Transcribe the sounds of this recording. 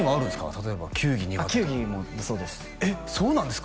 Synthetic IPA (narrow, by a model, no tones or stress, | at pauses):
ŋɡaːɾɯ̟̃esɨ̥ka̰t̪at̪oe̞ba̰kʲʰɨːɡʲiɲiaakʲɨːɡʲimonoso̞ːd̪es | eso̞ːnãnd̪e̞sɨ̥k